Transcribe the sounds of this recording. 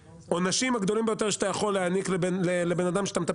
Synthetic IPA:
onaʃimhaɡd̪o̞limbejo̞t̪e̞ʃeat̪ajaχo̞leanikllelebe̞nad̪amʃeat̪amet̪a

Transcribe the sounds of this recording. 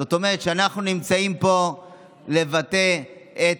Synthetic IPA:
ot̪o̞meʁet̪ʃeanaχnunimt͡saimpo̞ | le̞vat̪e̞ʔe

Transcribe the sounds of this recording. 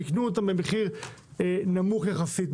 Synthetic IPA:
iknuot̪̬ambemeχiʁenamuχjaχasit̪̚

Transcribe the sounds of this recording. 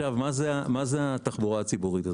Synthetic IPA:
avmazeamazeat̪aχbuʁaat͡sibuʁit̪a

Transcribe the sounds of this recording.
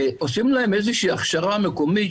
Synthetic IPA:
osimlaemejzeʃiːaχʃaʁamekomi

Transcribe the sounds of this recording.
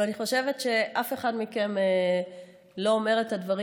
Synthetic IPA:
aniχo̞ʃe̞ve̞tʃe̞ʔafe̞χadmikeme | lo̞ome̞ʁetadvaʁi

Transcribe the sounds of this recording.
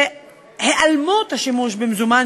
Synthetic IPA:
heʔalmot̪haʃimuʃbemzuman

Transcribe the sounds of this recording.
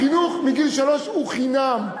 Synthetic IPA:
inuχmiɡilʃaloʃuχinam

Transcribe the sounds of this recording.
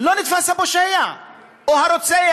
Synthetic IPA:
lɔnit̪fasabɔʃɛja | ɔɦaɾɔt͡sɛja

